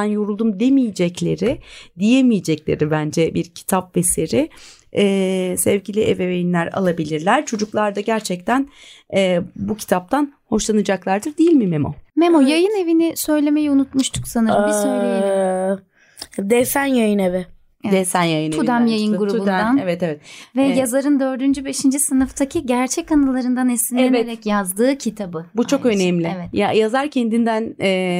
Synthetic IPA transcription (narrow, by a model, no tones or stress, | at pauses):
ænjoɾulˠd̪umd̪e̞mijed͡ʒɛclʲe̞ɾɪd̪ijemijed͡ʒɛclʲe̞̰ɾibænd͡ʒɛbiɾcʰi̥t̪ʰapveseɾɪː | sɛvɟilʲiʔɛvevejinlʲæɾa̰lˠabilʲiɾlʲæɾ̥t͡ʃʰo̞d͡ʒuklˠaɾd̪aɟæɾt͡ʃʰɛc̚t̪ʰænɛːbucʰi̥t̪ʰap̚t̪ʰanho̞ʃlˠanɯd͡ʒaklˠaɾd̪ɯɾd̪ejilʲmimemo̰memojajɯne̞vinɪsø̞jlʲe̞me̞jiunut̪muʃt̪ʰu̥ksanɯɾmbisøjlʲejee | d̪ɛsænjajɯnevɪ | evɛd̪ɛsænjajɯnʰud̪amjajɯnɡuɾubund̪d̪anevɛt̪evɛt̪vɛjazaɾɯnd̪ø̞ɾd̪ynd͡ʒybe̞ʃind͡ʒisɯnɯft̪ʰacʰiɟæɾt͡ʃʰɛcanɯlˠaɾɯnd̪anɛsinʲeveɾɛcjazd̪ɯːcʰit̪ʰabɯbut͡ʃʰo̞kø̞nɛmlʲɪɛvɛt̪jajazaɾcʰend̪ind̪ænɛː